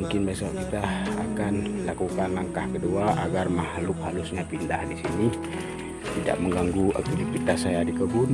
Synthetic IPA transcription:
uŋkɪnbesɔʔkit̪a̰ːkanlakukanlaŋkahkəduaʔaɡarmahlʊk̚halusɲapindahdisini | t̪ida̰ʔ̚məŋɡaŋɡuʔa̰k̚t̪ilipit̪asajadikəbʊn

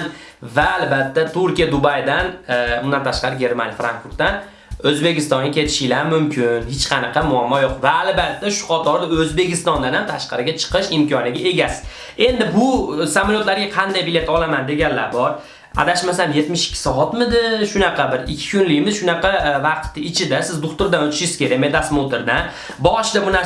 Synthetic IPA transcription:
vaːlbat̪ʰːat̪ʰʊɾkʲijad̪ʊbajd̪anʊnd̪ant̪ʰaʃqɑɾɪɡʲe̞ɾma̰nʲjfɾa̰ŋkfʊɾt̪̚t̪ːan | ɵzbe̞kʲɪst̪ɒŋɡʲakʲʰe̞t̪ʰɪ̥ʃɪlaɾmʊmkʲʰɪnhɪt͡ʃqʰɑnɨqʰɑmʊamːɒjoqvaːlbat̪ːaʃʊ̥qʰɒt̪ʰɒɾd̪aɵzbe̞kʲɪst̪ɒnd̪anamt̪ʰaʃqʰɑɾɪɡʲat͡ʃʰɨ̥qʰɨʃɪmkʲʰɒnɪɡʲae̞ɡʲasɪ̥ | e̞nd̪ɪbʊsamaljot̪laɾɡʲaqʰɑnd̪ajbɪle̞t̪ɒlamand̪e̞ɡʲanla̰ɾbɒɾ | a̰d̪aʃmasnje̞t̪mɪʃɪ̥kʲʰːɪ̥sɒat̪mɪd̪ɪʃʊnɑqʰɑbɪɾɪkʲʰːɪ̥kʊnlijmɪz̥ʃʊnɑqɑvaqt̪ːɪɪt͡ʃʰɪd̪asɪzd̪ʊχt̪ʊɾd̪anɵt͡ʃ̪ʰɪ̥ʃɪz̥kʲe̞ɾakmet̪asmot̪ʰɪɾd̪an | bɒʃd̪abʊna

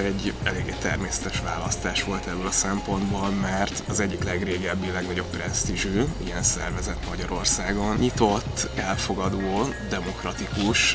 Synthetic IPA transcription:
ɛɟːɛleːɡeːt̪ɛrmeːsɛ̥t̪ɛʃʋa̰ːlɒst̪aːʃʋo̞lt̪ɛbːølɒsɛmpo̞nd̪bolmɛrt̪ɒzɛɟːiklɛɡreːɡɛbːilɛɡnɒɟo̞ppːrɛst̪iʒyːḭjɛnsɛ̰rvɛzɛt̪mɒɟɒɾo̞rsaːɡo̞nɲit̪o̞t̪ːɛlfo̞ɡɒd̪oːd̪ɛmo̞krɒt̪ikuʃ

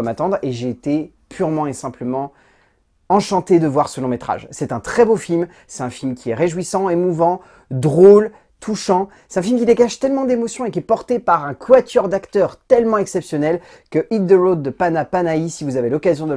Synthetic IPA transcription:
mat̪ɑ̃d̪ʁeʒeːt̪e | pʰyʁmɑ̃esɛ̃pləmɑ̃ | ɑ̃ʃɑ̃t̪ed̪əvwaʁsəlɔ̃met̪χa̰ʒsɛt̪ɛ̃t̪χɛbofilm | sɛ̥t̪ɛ̃filmkʲiɛʁeʒwisɑ̃emuvɑ̃ | d̪ʁol | t̪ʰuʃɑ̃ | sɛt̪ɛ̃filmkʲid̪eɡaʃt̪ɛlmɑ̃d̪emɔsjɔ̃ekʲiɛpɔʁt̪epaʁɛ̃kwat̪ʰœʁd̪akt̪œʁt̪ɛlmɑ̃ɛksɛpsjɔnɛl | kəʔid̪d̪əʁod̪ːəpanapanaisivuzavelɔkazjɔ̃d̪ə

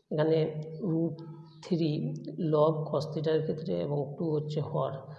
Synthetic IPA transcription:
ɡaneɾup | t̪ʰiɾilɔɡkʰɔst̪ʰiʈaeɾkʰet̪ːɾeḛboŋekʈuɦotːɕʰeɦɔaɾ

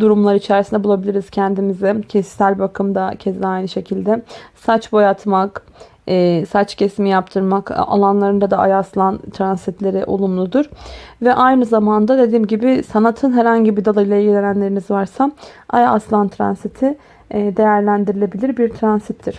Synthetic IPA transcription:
d̪uɾumlˠaɾɯit͡ʃʰæɾsind̪ɛbulˠabilʲiɾiz̥cʰænd̪imizɛcʰisælʲbakʰɯmd̪acʰɛzd̪ɛajnɯʃe̞cʰilʲd̪ɛsat͡ʃbo̞jat̪ʰmakː | sat͡ʃcʰesimijapt̪ʰɯɾmaka̰lˠanlˠaɾɯnd̪ad̪aʔajaːslˠant̪ʰɾansit̪lʲe̞ɾiʔo̰lˠumlˠud̪uɾ̥vɛʔajnɯzamand̪ad̪e̞d̪iːmɟibɪsanat̪ʰɯnɦɛɾhaɲɟibiɾd̪alˠajɯlˠailʲɟilʲe̞nænlʲe̞ɾinizvaɾsaajaːslˠant̪ʰɾa̰nsit̪ʰɪ | d̪e̞jæɾlʲænd̪iɾilʲe̞bilʲiɾbiɾt̪ʰɾansit̪ʰːiɾ̥

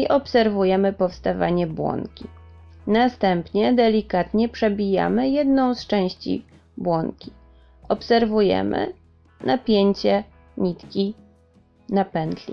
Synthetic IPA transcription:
iʔɔpsɛɾvujɛmɘpɔfst̪ava̰ɲɛbwɔ̰ŋkʲi | nast̪ɛmpɲɛd̪ɛlʲikat̪ɲɛpʂɛbʲija̰mɘjɛd̪nɔ̃w̃st͡ʂɛ̃w̃ɕt͡ɕḭ | bwɔŋkʲi | ɔpsɛɾvujɛ̰mɘ̰ | nʔapʲjeɲt͡ɕɛ | ɲit̪kʲi | napɛnd̪lʲḭ

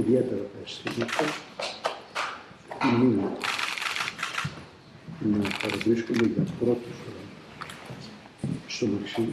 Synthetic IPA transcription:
iðiet̪eɾɐest̪imɐt̪ɐ | tini | nɐpɐɾɐvɾiskumeʝɐpɾot̪ifoɾo | st̪omɐksi

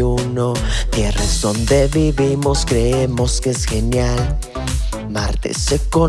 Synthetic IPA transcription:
uno̞t̪jeraezðo̞nd̪e̞βiβimo̞skɾeemo̞skeesxe̞njal | maɾt̪ḛseko

